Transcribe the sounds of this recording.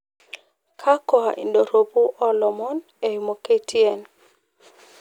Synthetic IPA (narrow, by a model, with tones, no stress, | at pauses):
kʰa˦kɔ˨a˨ʔḭ˨ndo˨ɾo˨pu˦ʔɔ˦lɔ˨mɔ˦n | e˨ju˨mo˨ke˦tʰi˦ɛ˨n